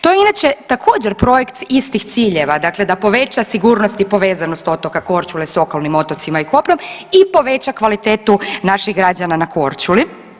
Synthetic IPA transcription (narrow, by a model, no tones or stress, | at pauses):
t̪ojeinat͡ʃet̪akʰoːd͡ʑeɾpɾo̞jekt̪ist̪ixt̪siːʎeʋad̪akle̞d̪apo̞ʋe̞t͡ʃasiɡuːɾnost̪ipo̞ʋeːzano̞st̪o̞t̪okako̞ɾt͡ʃuleso̞kalˠnimo̞t̪o̞t̪simaiko̞plʲo̞mipo̞ʋet͡ɕakʋalit̪eːt̪unaʃiɣɡɾad͡ʒananako̞ɾt͡ʃuli